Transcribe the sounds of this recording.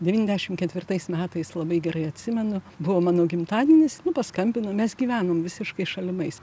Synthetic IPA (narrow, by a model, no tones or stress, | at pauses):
d̪ʲɛʋʲiːnʲɛzdʲæɛʃʲɪmkʲɛt̪ʲʋʲɪrt̪ɐɪsmʲæːt̪ɐɪslˠɐbɐɪɡʲɛɾɐɪɐt̪ʲsʲɪmʲɛnʊ | bʊʋoːmɑːnoːɡʲɪmt̪ɑːd̪ʲɛnʲɪsnʊpɐskɐmʲbʲɪnoːmʲɛsɡʲiːʋʲæːnoːmʋʲɪsʲɪʃkɐɪʃɐlʲɪmɐɪs